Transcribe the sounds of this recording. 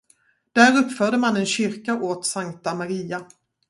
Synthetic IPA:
d̪̥æːɾɵpːfœːɖəmanɛnɕʏɾkaʔoːt̪saŋt̪amaɾiːa

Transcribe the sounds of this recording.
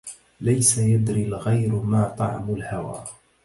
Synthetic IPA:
lajsajad̪ɾilɣajɾmaːt̪ˤɑ̰ʕmʊlhawa̰ː

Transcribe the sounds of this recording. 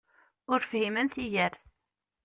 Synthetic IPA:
ʊɾfhimənθijæɾθ

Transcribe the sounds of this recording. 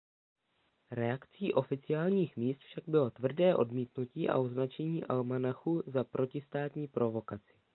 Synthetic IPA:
ɾɛakt͡siːʔo̞fɪt͡sɪaːlɲiːxmiːst̪fʃaɡ̚bɪlo̞t̪vr̩dɛːʔo̞̰dmiːt̪nuciːʔa̰ʔoznat͡ʃɛɲiːʔalmanaxuzapɾo̞cɪst̪aːt̪ɲiːpɾo̞vo̞kat͡sɪ̥

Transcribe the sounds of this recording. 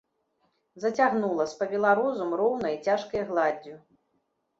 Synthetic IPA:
zɐt͡sʲaɣnulˠɐsʲpɐbʲɛlˠaɾɔzumrɔwnɐjt͡sʲaʂkɐjɣlˠad͡zʲːu

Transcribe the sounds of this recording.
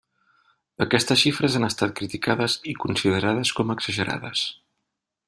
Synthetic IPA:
əkɛst̪əsʃifɾəzanəst̪at̪̚kɾit̪ikaðəzikunsiðəɾaðəskɔməɡz̥əʒəɾa̰ðə̰s

